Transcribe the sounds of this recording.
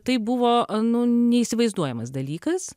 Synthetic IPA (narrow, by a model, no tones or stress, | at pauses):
t̪ɐɪbʊʋoːnʊnʲɛiːsʲɪʋɐɪzd̪uɔjɛmɐs̬d̪ɐlʲiːkɐs